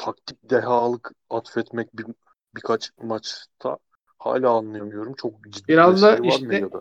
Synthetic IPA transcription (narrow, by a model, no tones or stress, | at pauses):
t̪ʰak̚t̪ʰik̚d̪eɦaːlˠɯk | at̪fɛt̪mɛc̚ʲbi | bikʰat͡ʃmat͡ʃt̪ʰa̰ | ha̰ːlʲaːnlˠajamɯjo̞ɾumt͡ʃʰo̞k̚d͡ʒid̪ːibiɾazd̪aiʃaɾmɛjad̪a